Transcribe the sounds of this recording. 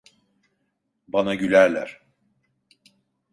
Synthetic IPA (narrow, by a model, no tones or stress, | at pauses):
banaɟylʲæɾlʲæ̰ɾ̥